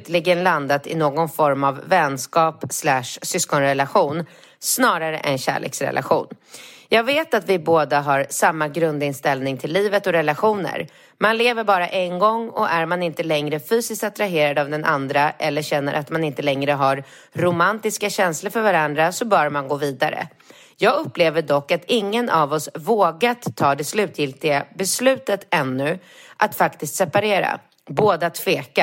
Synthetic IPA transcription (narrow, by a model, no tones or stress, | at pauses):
t̪lɪɡənland̪at̪ɪ̰noːɡɔnfɔɾmavːɛnskɑːpslæʂsʏskɔnɾɛlaɧuːn | snɑːɾaɾə̰ʔɛnɕæ̰ːɭḛːksɾɛ̰lʔa̰ɧṵːn | jɑːɡveːt̪at̪vɪboːd̪aɦaɾsamːaɡɾɵnd̪ɪnst̪ɛlnɪŋt̪ʰɪlːiːvət̪ɔɾɛlaɧuːnə̰ɾ | manleːvəɾbɑːɾaʔɛnɡɔŋːɔʔæɾmanɪnt̪əlɛŋɾəfyːsɪst̪at̪ɾaɦeːɾad̪avd̪ɛnʔa̰nd̪ɾaʔɛlːəɕɛnːə̰ɾʔat̪manɪnt̪əlɛŋɾəɦaɾː | ʊmant̪ɪskaɕɛnsləɾfœɾvaɾand̪ɾasɔbœːɾmanɡoːviːd̪aɾə̰ | jɑːɡɵpːleːvəɖɔkːat̪ɪŋːənʔavɔsvoːɡat̪ʰːɑːd̪ɛslʉ̟ːt̪ʰjɪlt̪ɪɡabɛslʉ̟ːt̪ət̪ɛnːɵ | ʔat̪fakt̪ɪst̪sɛpaɾeːɾa̰ | boːd̪əat̪ʰːveːka